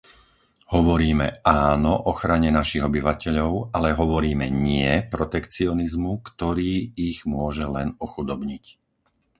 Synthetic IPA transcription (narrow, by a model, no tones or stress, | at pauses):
hɔʋɔɾiːmɛʔaːnɔʔɔxɾaɲɛnaʃiɣɔbiʋacɛʎɔʊalɛɦɔʋɔɾiːmɛɲɪɛpɾɔt̪ɛkt͡siɔnizmukt̪ɔɾiːiɣmʊɔʒɛlɛnɔxud̪ɔbɲic